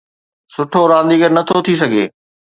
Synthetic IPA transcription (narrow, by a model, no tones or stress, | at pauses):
sʊʈʰoɾãːn̆d̪iːɡəɾnɐt̪ʰot̪ʰisɐɡʱḛː